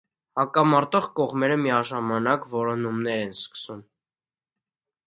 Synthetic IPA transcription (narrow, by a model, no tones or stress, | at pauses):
hɑkɑmɑɾt̪ɔʁkɔʁmɛɾəmiɑʒɑmɑnɑkvɔɾɔnumnɛɾɛnskə̥sum